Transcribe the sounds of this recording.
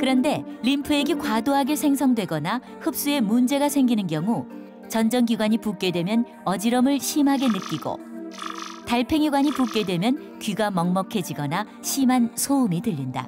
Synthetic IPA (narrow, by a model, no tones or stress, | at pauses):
kɯɾʌnde̞ʎimpʰɯe̞ɡekwadoɦaɡe̞sʰe̞ŋsʰʌŋdwe̞ɡʌna | hɯp̚s͈ue̞mund͡ʑe̞ɡasʰe̞ŋɡinɯnɡjʌŋu | t͡ɕʌnd͡ʑʌŋɡiɡwaɲipuk͈e̞dwe̞mjʌn | ʌd͡ʑiɾʌmɯɭɕʰimɦaɡe̞nɯk͈iɡo̰ | taɭpʰe̞ŋiɡwaɲipuk͈e̞dwe̞mjʌn | kɥiɡamʌŋmʌkʰe̞d͡ʑiɡʌna | ɕʰimɦansʰoumitɯʎːinda̰